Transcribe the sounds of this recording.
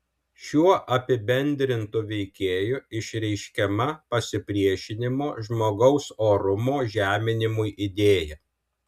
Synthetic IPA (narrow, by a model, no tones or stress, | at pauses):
ʃʲuɔʔɐpʲɪbʲɛnʲd̪ʲɾʲɪnt̪ʊʋʲɛɪkʲeːjʊɪʃʲɾʲɛɪʃʲkʲɛmɐpɐsʲɪpʲɾʲiɛʃʲɪnʲɪmoːʒmoːɡɒʊsoːɾʊmoːʒʲæːmʲɪnʲɪmʊjʔɪd̪ʲeːjɛ